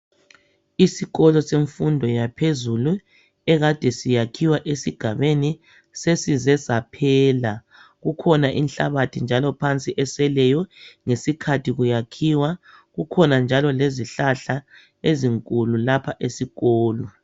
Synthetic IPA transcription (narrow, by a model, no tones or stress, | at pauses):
isiɣɔlɔseɱfundʱɔjapʰezulu | ɛɣad̥ʱɛsijakʰiwaʔesiɡ̥ʱaβeni | sesizɛzapʰɛːla | ɣukʰɔnaʔḭnɬaβatʰind͡ʒʱalɔpʰant͡sʼiʔɛsɛlɛjɔŋesikʰatʰiɣujakʰiwa | ɣukʰɔnand͡ʒʱalɔleziɬaɬa | eziŋkʼululapʰaʔesiɣɔːlɔ